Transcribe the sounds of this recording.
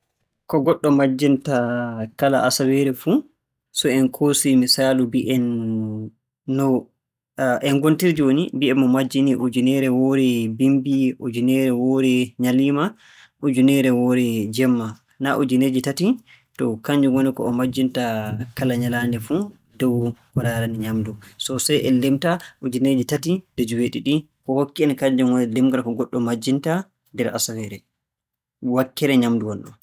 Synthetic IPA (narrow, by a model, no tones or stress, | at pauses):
kɔɡɔɗːɔmad͡ʒːintakala̰ʔasawɛɾɛfu | sɔɛnkʰosimisaːlubiʔɛn | ɔ | ʔɛnɡontiɾd͡ʒiwonibiɛmːɔmad͡ʒːiniʔud͡ʒunɛɾɛwɔɾɛbimbiʔud͡ʒunɛɾɛwɔɾɛɲaliːma | ʔud͡ʒunɛɾɛwɔɾɛd͡ʒɛmːa | naʔud͡ʒuned͡ʒitati | tɔkaɲd͡ʒuwɔnikɔ̰ːmad͡ʒːintakalaɲalandɛfu | dɔwkɔɾaɾaniɲamdusɔsajʔɛlemtaʔud͡ʒined͡ʒitatid̥ɛd͡ʒuweɗiɗi | kɔhokːiɛnkaɲd͡ʒumwɔnɛlemɡaɾkɔɡɔɗːɔmad͡ʒːinta | ndɛɾʔa̰sawɛɾɛ | wakːɛɾɛɲamduwɔnɗɔ̰